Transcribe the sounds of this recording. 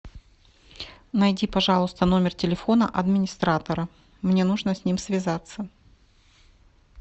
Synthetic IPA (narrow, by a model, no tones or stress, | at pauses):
nɐjdʲipɐʐɑlˠʊst̪əno̞mʲɪrtʲɪlʲɪfo̞nəʔɐd̪mʲɪnʲɪst̪ɾat̪əɾə | mnʲe̞nuʐnəsʲnʲimsʲvʲɪzat̪sːə